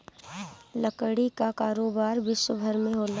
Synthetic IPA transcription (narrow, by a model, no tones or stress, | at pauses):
ləkəɽikakaːɾoːbaːɾʋɪʃwəbʱəɾmẽɦoːla